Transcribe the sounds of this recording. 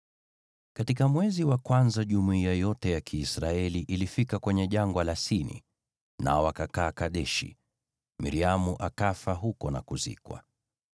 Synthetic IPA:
katikamwɛziwakwanzaʄumuiajɔtɛjakʰiːsɾaɛliʔilifikakwɛɲɛʄaŋɡwalasinḭ | na̰ɔakakaːkaɗɛʃḭ | mḭɾiamuʔakafaɦukɔna̰kuzḭkwa̰

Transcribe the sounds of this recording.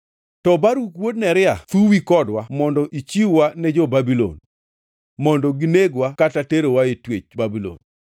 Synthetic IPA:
tɔbaɾukwodnɛɾɪat̪uwikɔdwamɔndɔʔit͡ʃiwwanɛd͡ʒɔbabilɔ̰n | mɔndɔɡɪneɡwakatateɾowaetwet͡ʃbabilɔ̰n

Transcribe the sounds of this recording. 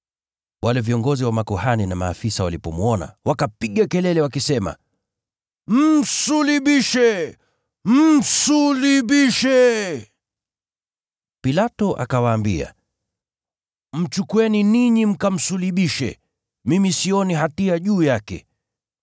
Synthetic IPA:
wʔalɛviɔŋɡɔziwamakuhaninamaːfisawalipɔmwɔna̰wakapiɠakɛlɛlɛwakisɛma̰ | m̩suliɓiʃɛ | m̩suliɓiʃɛ | pilatɔʔa̰kawaːmbḭa̰ | m̩t͡ʃukuɛniniɲim̩kam̩suliɓiʃɛ̰ | mimisiɔniɦatiaʄuːjakɛ̰

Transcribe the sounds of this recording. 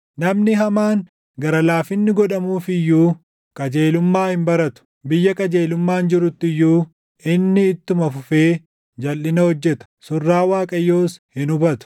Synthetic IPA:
nɐmnɪɦɐmaːŋ | ɡɐɾɐlaːfɪnːɪɡɔᶑɐmuːfɪjːuː | kʼɐd͡ʒeːlʊmːaːhɪmbɐɾɐt̪ʊ̥ | bɪjːɐkʼɐd͡ʒe̞ːlʊmːaːnd͡ʒɪɾʊt̪ːɪjːuː | ʔɪnːɪːt̪ːʊmɐfʊfeː | d͡ʒɐlːɪnɐhɔd͡ʒːɛt̪ɐ̥sʊrːaːwaːkʼɐjːo̞ːshɪnʊbɐt̪ʊ̥

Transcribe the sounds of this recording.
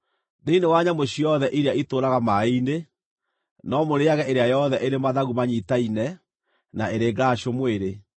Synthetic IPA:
neinewaɲamoɕiɔðɛʔiɾeaitoɾaɣamaine | nɔmoɾeaɣɛʔeɾeajɔðɛʔeɾemaðaɣumaɲitainɛ | naeɾeːɡaɕomweɾe

